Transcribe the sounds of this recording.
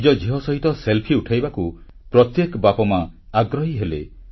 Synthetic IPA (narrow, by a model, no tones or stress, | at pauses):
d͡ʒɔd͡ʒiɦɔsɔɦit̪ɔselpʰiuʈʰajbaku | pɾɔt̪jekbapɔmaaɡɾɔɦiɦelḛ